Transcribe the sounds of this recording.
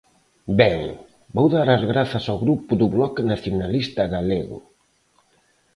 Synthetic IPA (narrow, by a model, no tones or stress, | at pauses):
bɛŋ | bowðaɾazɣɾaθɐsawɣɾupʊðʊβlɔknaθjonalist̪aɣaleɣʊ̰